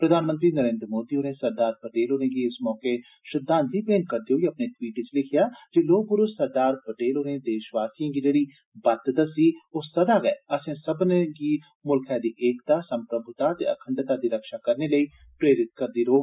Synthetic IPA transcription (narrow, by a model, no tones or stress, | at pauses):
pɾəd̪ʱaːnmənt̪ɾiːnəɾẽːnd̪ɾəmoːd̪iːɦoːnẽːsəɾd̪aːɾpəʈeːlɦoːnẽːɡiːɪsmɔːkeː | ʃɪd̪ãːnt̪iːpeːnkəɾd̪eoːɡiəpneːʈwiːʈt͡ʃlɪkʰɪjaːd͡ʒeːloːk̚pʊɾʊsəɾd̪aːɾpəʈeːlɦoːnẽːd̪eːʃʋaːsiãːɡiːd͡ʒeːɽiː | bət̪d̪əsiːoːsəd̪aːɡɛɛ̰ːəsẽːsəbneɡiː | mʊlkʰɛːd̪iːʔeːkt̪aːsə̃mpɾəbʱʊt̪aːt̪ḛːəkʰə̃ɳɖt̪aːd̪iːɾəkʃaːkəɾneːləiː | pɾeːɾɪt̪̚kəɾd̪iːɾoːɡ